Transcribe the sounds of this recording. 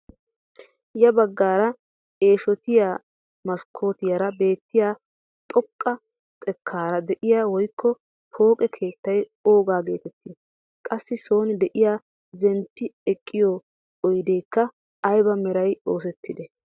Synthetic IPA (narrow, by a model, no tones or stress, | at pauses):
jɐbɐɡːaːɾɐ | e̞ːʃɔt̪ɪjaː | mɐskʰːo̞ːt̪ɪjɐɾɐbe̞ːt̪ːɪjaː | t̪ʼɔkʼːɐ | t̪ʼɛkʰːaːɾɐd̪ɛʔɪjaːwɔjkʰːɔ | pʰo̞ːkʼɛkʰe̞ːt̪ːɐjo̞ːɡaːɡe̞ːt̪ɛt̪ːɪː | kʼɐsːɪso̞ːnɪd̪ɛʔɪjaː | zɛnpːɪɛkʼːɪjɔ | ɔjd̪e̞ːkːɐː | jbɐmɛɾɐjo̞ːsɛt̪ːɪd̪ɛ